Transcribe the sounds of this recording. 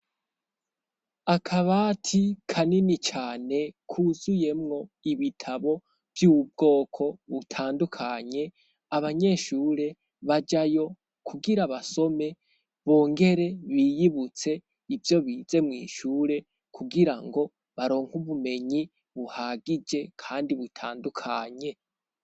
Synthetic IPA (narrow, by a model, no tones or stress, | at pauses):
akʰaβaːtʰikʰaninit͡ʃaːne̞kʰuzuje̞mŋo̞iβitʰaβo̞ | vjuːb̚ɡo̞ːkʰo̞βutʰaːndukʰaɲe̞ | aβaɲe̞ːʃuːɾe̞ | βad͡ʒajo̞ | kʰuɡiɾaβaso̞me̞ | βo̞ːŋɡe̞ɾe̞βijiβut͡se̞ | ivjo̞βiːze̞mŋiːʃuːɾe̞ | kʰuɡiɾaŋɡo̞ | βaɾo̞ːŋhuβume̞ɲi | βuhaɡid͡ʒe̞kʰaːndiβutʰa̰ːndukʰaɲe̞